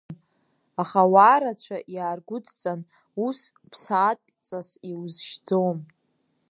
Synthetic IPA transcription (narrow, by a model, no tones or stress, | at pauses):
aχawaːɾat͡ɕʷʰaʔjaːrɡʷʊdʰt͡sʼan | us | pʰsaːtʼt͡sʼasiwzʃd͡zom